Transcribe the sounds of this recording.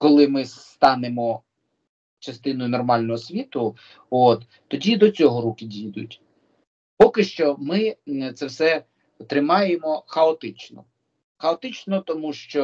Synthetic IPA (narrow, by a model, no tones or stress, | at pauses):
kɔlˠɪmɪs | t̪ɑnemɔ | t͡ʃɐst̪ɪnɔjʊnɔrmɑlʲnɔɦɔsʲʋʲit̪ʊ | ot̪ːɔdʲid̪ɔt͡sʲɔɦɔɾukɪdʲijd̪ʊ̰tʲ | pɔkɪʃt͡ʃɔmɪt̪sɛwsɛ | t̪ɾɪmɑjemɔxɐɔt̪ɪt͡ʃnɔ̰ | xɐɔt̪ɪt͡ʃnɔt̪ɔmuʃt͡ʃɔ